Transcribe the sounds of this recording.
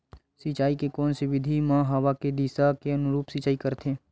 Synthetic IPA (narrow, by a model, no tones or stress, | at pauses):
sit͡ʃaːikekɔːnseʋɪd̪ʱimãːɦɐʋaked̪iːsakeɐnʊɾuːpsit͡ʃaːikəɾt̪ʰẽː